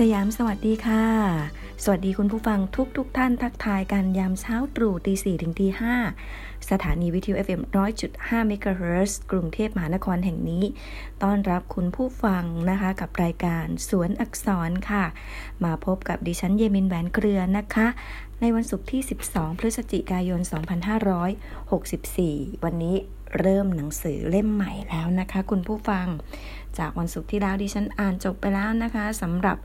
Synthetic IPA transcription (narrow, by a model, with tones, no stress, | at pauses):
sa˧jaː˩˦msa˧wa˨˩t̪̚diː˧kʰa˥˩ | sa˧wa˨˩t̪̚diː˧kʰu˧npʰuː˥˩fa˧ŋt̪ʰu˦˥k̚t̪ʰu˦˥k̚t̪ʰa˥˩np̪ʰaː˦˥k̚t̪ʰaː˧jka˧njaː˧mt͡ɕʰaː˦˥wt̪ɾuː˨˩t̪iː˧siː˨˩t̪ʰɯ˨˩˦ŋt̪ʰiː˧haː˥˩ | sa˧t̪ʰaː˩˦niː˧wi˦˥t̪ʰi˧uː˧ʔe˧˩fʔe˧mɾɔː˦˥jt͡ɕu˨˩t̪̚haː˥˩mi˦˥kaː˧heː˦˥skɾu˧ŋt̪ʰeː˥˩p̚ma˧ɦaː˩˦na˦˥kʰɔː˧nɦɛ˨˩ŋniː˦˥ | t̪ɔː˥˩nɾa˦˥p̚kʰu˧npʰuː˥˩fa˧ŋna˦˥kʰa˦˥ka˨˩p̚ɾaː˧jkaː˧nsu˩˦ənʔa˨˩k̚sɔː˩˦nkʰa˥˩ | maː˧pʰo˦˥p̚ka˨˩p̚diː˧t͡ɕʰa˦˥njeː˧mi˧nwɛː˨˩˦nkʰɾɯ˧ɐna˦˥kʰa˦˥ʔ | na˧jwa˧nsu˨˩k̚t̪ʰiː˥˩si˨˩p̚sɔː˩˦ŋpʰɾɯ˦˥t̪̚sa˧t͡ɕi˨˩kaː˧jo˧nsɔː˩˦ŋpʰa˧nɦaː˥˩ɾɔː˦˥j | ho˨˩k̚si˨˩p̚siː˨˩wa˧nːiː˦˥ | ɾɤː˥˩mna˩˦ŋsɯː˩˦le˥˩mːa˨˩jlɛː˦˥wna˦˥kʰa˦˥kʰu˧npʰuː˥˩fa˧ŋ | t͡ɕaː˨˩k̚wa˧nsu˨˩k̚t̪ʰiː˥˩lɛː˦˥wdiː˧t͡ɕʰa˦˥nʔaː˨˩nt͡ɕo˨˩pːa˧jlɛː˦˥wna˦˥kʰa˦˥sa˩˦mɾa˨˩p̚